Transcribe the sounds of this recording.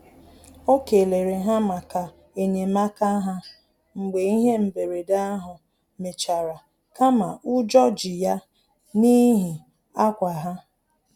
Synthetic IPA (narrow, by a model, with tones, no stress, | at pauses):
o˦ke˨le˨ɾe˨ɦa˦ma˨ka˨ | e˨ɲe˨ma˦ka˦ɦa˦ | ŋ͡m̩˨ɡ͡be˨i˦ɦe˦m̩˨be˨ɾe˨da˦a˦ɦʊ˨ | me˨t͡ʃa˨ɾa˨ | ka˦ma˨ʔʊ˦d͡ʒɔ˦d͡ʒi˨ja˦ | ni˦ɦi˨ | a˦kʷa˨ɦa˦